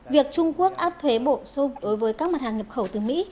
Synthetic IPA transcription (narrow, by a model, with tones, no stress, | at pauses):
vi˨˩ək̚t͡ɕʊ˧ŋ͡mku˦˥ək̚ʔaː˦˥p̚t̪ʰwe˨˦ɓo˧˩˨sʊ˧ŋ͡mɗo˨˦jvəː˨˦jkaː˦˥k̚ma˨˩t̚haː˨˩ŋɲə˨˩p̚xə˧˩wt̪ɨ˨˩mḭ˧˥